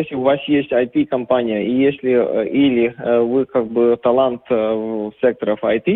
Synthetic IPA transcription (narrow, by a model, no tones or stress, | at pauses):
esʲlʲɪʊvasjesʲtʲɐjt̪ʲikɐmpanʲijəijesʲlʲɪilʲɪvɨkak̚bɨt̪ɐlˠant̪sʲek̚t̪əɾəfɐjt̪ʲi